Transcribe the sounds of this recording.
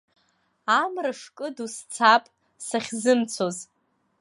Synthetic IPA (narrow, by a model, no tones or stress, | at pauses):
amrɨʂkʼɨdust͡sʰapʼ | saχʲzɨmt͡sʰoz